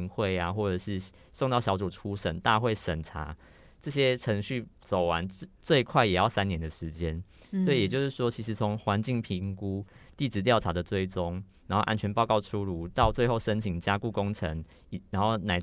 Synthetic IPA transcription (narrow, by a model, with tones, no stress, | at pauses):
nxwe˥˨ɪa˨˩xwɔ˥˩ʈ͡ʂɤ˨˩ʂɻ̩˥˧ | so˥˧ŋt̪ɑ˥˩ʊɕjɑ˧˥ʊt͡su˨˩ʈ͡ʂʰu˥ʂə̰˨˩nt̪a˥˧xwe˥˩ɪʂə˨˩nʈ͡ʂʰa̰˧˥ | ʈ͡ʂɤ˥˧ɕ̬jɛ˥ʈ͡ʂʰə˧˥ŋɕy˥˩t͡so˨˩ʊwa˧˦n̩˥t͡swe˥˧ɪkʰwa˥˩ɪjɛ˨˩jɑ˥˩ʊsa˦njɛ˨˥nd̪ə˨ʂɻ̩˧˦t͡ɕjɛ˦n | swɔ˧˥i˨jɛ˨˩t͡ɕjo˥˧ʂɻ̩˥˩ʂwɔ˥t͡ɕʰi˧˥ʂ̬ɻ̩˨˥t͡sʰɔ˧˦ŋxwa˧˥nt͡ɕi˥˩ŋpʰi˧˥ŋku˦t̪i˥˩ʈ͡ʂɻ̩˧˥t̪jɑ˥˩ʊʈ͡ʂʰa˧˥d̪ə˨t͡swe˥˩ɪʈ͡ʂo˦ŋna˧˥nxo˥˩ʔa̰˥nt͡ɕʰɥɛ˧˥npɑ˥˧ʊkɑ˥˩ʊʈ͡ʂʰu˦lu˧˦t̪ɑ˥˧ʊt͡swe˥˧ɪxo˥˩ʊʂə˦nt͡ɕʰi˨˩ŋt͡ɕja˥ku˥˩kʊ˦ŋʈ͡ʂʰə˧˦ŋ | i˨˩na˧˦nxo˥˩ʊna˨˩ɪ